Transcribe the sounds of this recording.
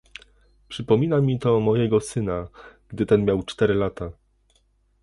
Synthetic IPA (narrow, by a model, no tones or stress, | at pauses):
pʂɘpɔmʲinamʲit̪ɔmɔjɛɡɔsɘnaɡd̪ɘt̪ɛnmʲjawt͡ʂt̪ɛɾɘlat̪a